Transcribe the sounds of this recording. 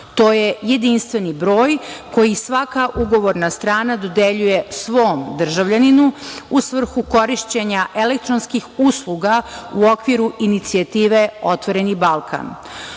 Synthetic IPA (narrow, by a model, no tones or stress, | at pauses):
t̪o̞ːjeje̞d̪inst̪ʋe̞nibɾo̞ːjko̞jisʋakaʔuɡo̞ʋo̞ɾnast̪ɾaːnad̪o̞d̪eʎuje̞sʋo̞ːmd̪r̩ʒaʋʎaninuusʋr̩xuko̞ɾiʃt͡ɕeɲaʔelek̚t̪ɾonskixuslˠuɡauo̞kʋiɾuʔinit̪siat̪iːʋeo̞t̪ʋo̞ɾe̞nibalˠkʰa̰n